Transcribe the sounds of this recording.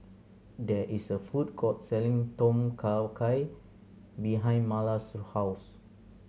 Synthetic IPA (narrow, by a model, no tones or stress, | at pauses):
dɛʔisəfut̚kʰɔt̚sɛlĩŋtɔ̃mkʰakʰaj | biɦãj̃nmalasuhaws